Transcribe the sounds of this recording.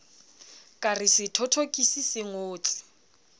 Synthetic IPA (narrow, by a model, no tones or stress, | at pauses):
kʼarɪsɪtʰɔtʰokʼisisɪŋoːt͡sʼɪ̥